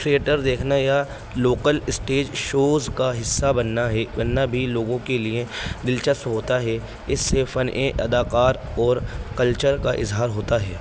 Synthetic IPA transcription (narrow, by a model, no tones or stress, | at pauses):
ʈɾieːʈəɾd̪eːkʰnaja | loːkəlɪsʈeːd͡ʒʃoːzkaɦɪsːabɐnːaɦɛbɐnːabʱiloːɡõkelied̪ɪlt͡ʃəst̪ɦoːt̪aɦɛ | ɪsːefɐnʔeʔɐd̪aːqaːɾɔːɾkɐlt͡ʃəɾkaʔɪ̰zɦaːɾɦoːt̪aɦɛː